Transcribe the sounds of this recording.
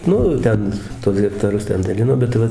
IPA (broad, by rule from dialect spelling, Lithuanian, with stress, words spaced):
ˈnʊ ˈtʲɛn tuɔs ɣʲɛktɐˈrʊs ˈtʲɛn dɐˈlʲɪnoː bʲɛt ˈʋɐ